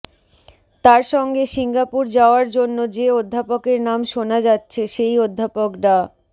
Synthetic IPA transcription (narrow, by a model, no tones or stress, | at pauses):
t̪aɾʃɔŋɡeʃiŋɡapuɾd͡ʑaoaɾd͡ʑonːod͡ʑeod̪ʱːapokeɾnamʃonad͡ʑatːɕʰeʃejod̪ʱːapokɾa